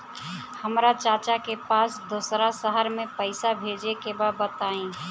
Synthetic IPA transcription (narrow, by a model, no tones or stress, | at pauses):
həmɾat͡ʃat͡ʃakepasd̪osɾasəɦəɾmẽpəɪsabʱed͡ʒekebabət̪aĩ